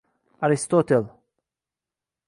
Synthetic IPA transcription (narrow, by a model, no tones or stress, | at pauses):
aɾist̪ot̪el